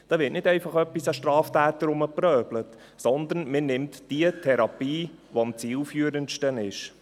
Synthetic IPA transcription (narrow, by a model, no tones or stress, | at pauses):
d̥ɑːʋɪːtnɪdɛɪfɑχœpːisæʃtɾɑːftæːt̪əɾʊməprœːb̥lət | sɔnd̪ənmɪnɪmtd̥iətʰɛɾɑpiːʋoɑmt͡siːlfyːəɾənʃtənɪʃ